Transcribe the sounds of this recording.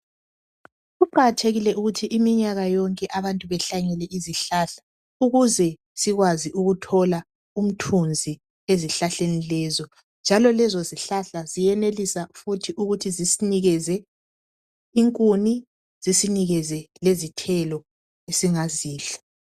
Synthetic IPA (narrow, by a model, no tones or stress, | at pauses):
ɣuǃaɣatʰeɣilɛuɣutʰiʔimiɲaɣajɔŋkʼɛʔaβantʼuβɛɬaɲɛlɛʔiziɬaɬḁ | uɣuzɛ | siɣwaziʔuɣutʰɔla | um̩tʰund͡zʱi | eziɬaɬenilɛzɔ | nd͡ʒʱalɔlɛzɔziɬaɬazijɛnelisafutʰiʔuɣutʰizisiniɣɛzɛ | iŋkʼuni | z̥isiniɣɛzɛlezitʰɛlɔ | esiŋaziːɬḁ